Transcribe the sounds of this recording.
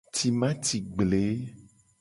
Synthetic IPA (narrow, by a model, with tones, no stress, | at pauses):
t̪i˨mã˦t̪i˨ɡ͡ble˨˦